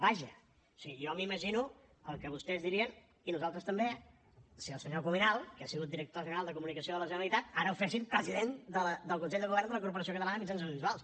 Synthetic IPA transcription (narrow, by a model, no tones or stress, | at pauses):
baʒə | siɣijɔmiməʒinu | əlˠkəβ̞ust̪ɛzðiɾiən | inuzalˠt̪ɾəst̪əmbe | siəlˠsəɲokuminalˠkəasiɣut̪̚d̪iɾək̚t̪oʒənəɾalˠd̪əkumunikəsioðələʒənəlit̪at̪̚aɾəufɛs̬impɾəziðend̪ələd̪əlˠkunsɛʎd̪əɣuβɛɾrnd̪ələkuɾp̬uɾəsiokət̪əlanəmit͡ʃans̬əzβizualˠs